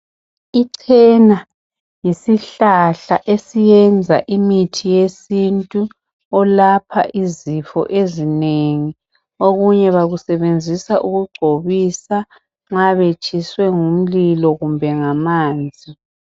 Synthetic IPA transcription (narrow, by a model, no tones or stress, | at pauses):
iǀʰɛna | jisiɬaɬaʔesijɛnd͡zʱaʔimitʰijesintʼu | ɔlapʰa̰ʔizifɔ̰ʔezineŋi | oɣuɲɛβaɣusɛβend͡zʱisaʔuɣuɡ͡ǃʱoβisa | ŋ͡ǁaβet͡ʃʼiswɛŋum̩lilɔɣumbʱɛŋamaːnd͡zʱi